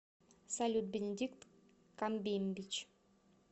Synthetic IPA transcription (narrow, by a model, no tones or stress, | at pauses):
salʲut̪̚bʲenʲed̪ʲikt̪ | kamʲbʲemʲbʲit͡ɕ